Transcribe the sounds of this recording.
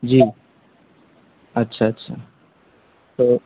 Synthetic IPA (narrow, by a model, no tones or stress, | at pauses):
d͡ʒiː | ɐtːʃʰaətːʃʰa | t̪o